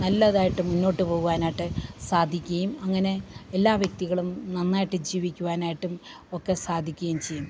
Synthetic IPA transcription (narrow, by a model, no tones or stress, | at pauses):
nɐlːɐðaːjiʈːumːunːo̞ːʈːɨpo̞ːɣuʋaːnaːjiʈːɨsaːd̪ʱikʲːuɐjumɐŋːɐne̞elːaːʋjɐk̚t̪iɣɐɭumnɐnːaːjiʈːɨd͡ʑiːʋikʲːuʋaːnaːjiʈːum | o̞kːe̞saːd̪ʱikʲːɣɐjumt͡ɕe̞jːum